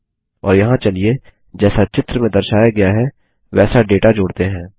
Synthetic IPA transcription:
ɔːɾjɐɦãt͡ʃɐlie | d͡ʒɛːsat͡ʃɪt̪ɾəmẽd̪ɐɾʃaːjaɡɐjaɦɛ | ʋɛːsaɖeːʈad͡ʒoːɽt̪eɦɛ̃ː

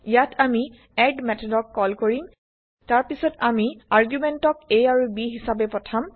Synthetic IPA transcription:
ijatʰami | ɛɖmɛtʰɔdɔkːɔlkoɹim | taɹpisɔtamiaɹɡjumɛntɔkejaɹubiɦisabɛpɔtʰam

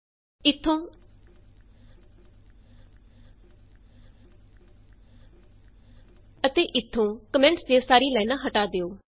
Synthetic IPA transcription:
ɪt̪ʰːõː | ət̪eːʔɪt̪ʰːõːkəmɛ̃ːɳʈsd͡ʒesaːɾiːlɛːnãːɦəʈaːd̪eːoː

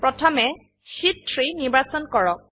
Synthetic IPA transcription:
pɹɔtʰɔmɛ | sitʰɹiniɹbasɔnkɔɹɔk

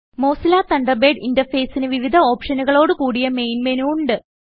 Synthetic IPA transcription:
mo̞ːsilaːt̪ɐɳɖɐbeːɖindɐfeːsinɨʋiʋid̪ʱɐo̞ːpʂɐnuɣɐɭo̞ːɽɨkuːɽijɐmejnmenuuɳɖɨ

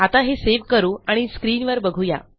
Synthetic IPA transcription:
at̪aɦeseʋ̤kəɾuːaɽ̃iskɾiːnʋəɾbəɡʱuja̰

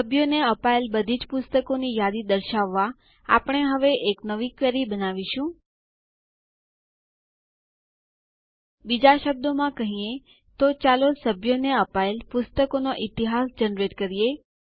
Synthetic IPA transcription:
səbʱjoneəpaelbəd̪ʱid͡ʒpʊst̪əkonijad̪id̪əɾʃaʋːa | a̰pəɳ̃eɦəʋeʔeknəʋikʋɛɾibənaʋiʃũ | bid͡ʒaʃəb̚d̪omãkəɦiẽ | t̪ot͡ʃalosəbʱjoneəpaelpʊst̪əkonoʔit̪iɦasd͡ʒənɾeʈkəɾije

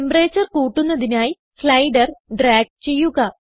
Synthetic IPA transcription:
embreːt͡ɕːɐrkuːʈːunːɐðinaːji | flɐjɖɐrɖraːɡ̚t͡ɕe̞jːuɣɐ

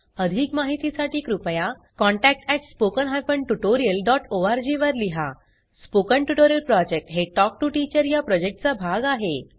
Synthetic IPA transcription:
əd̪ʱiːkmaɦit̪isaʈiːkɾupja | kɔ̃ɳʈæk̚ʈɛʈspokənɦajfəɳʈuʈoɾijəlɖɔʈoaɾd͡ʑiʋəɾliɦa̰ | spokəɳʈuʈoɾijəlpɾɔd͡ʑek̚ʈɦeʈɔk̚ʈuʈit͡ɕəɾjapɾɔd͡ʑek̚ʈ̚t͡sabʱaɡaɦe

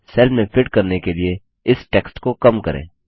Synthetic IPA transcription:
sɛlmẽpʰɪʈkɐɾnekelie | ɪsʈɛːksʈkokɐmkɐ̰ɾʔḛ̃ː

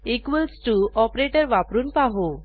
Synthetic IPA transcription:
ikʋəlsʈuɔpɾeʈəɾʋapɾuːnpaɦo

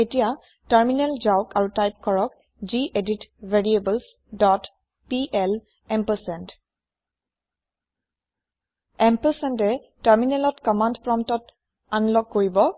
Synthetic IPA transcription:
etija | taɹminɛlzawkaɹutajp̚kɔɹɔk | ziʔeditveɹiebəls | dɔt | piʔɛl | ɛmpəsɛnt | ɛmpəsɛntɛ | taɹminɛlɔtkɔmandpɹɔmtɔt | anlɔɡ̚ːoɹibɔ

